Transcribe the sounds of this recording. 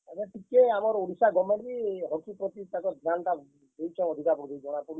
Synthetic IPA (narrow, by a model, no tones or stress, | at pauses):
aɾeʈikeamɔɾuɾisaɡɔmakiɾɔkipɾɔt̪it̪akɔd̪ʱanʈa | d̪ejt͡ʃʰɔ̃ɔd̪ʱikapɾud̪id͡ʒɔɽ̃apuɽ